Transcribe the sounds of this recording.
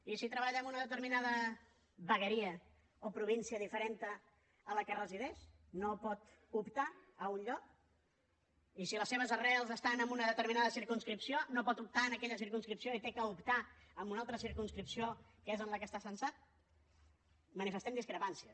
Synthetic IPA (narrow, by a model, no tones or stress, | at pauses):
isit̪ɾəβaʎɛəmunəðət̪̬əɾminaðə | βəɣəɾiə | opɾuβ̞insiəðifəɾent̪ə | ələkərəziðɛʃnopɔt̪ | upt̪aəunʎɔk̚ | isiləseβ̞əzərɛlˠzəst̪anəmbunəðət̪əɾminaðəsiɾkunskɾipsionopɔt̪up̚t̪aənəkɛʎəsiɾkunskɾipsioit̪ekəupt̪aəmbunalˠt̪ɾəsiɾkunskɾipsio | kəezənləkəst̪asənsat̪̚ | mənifəst̪ɛmd̪iskɾəpansiə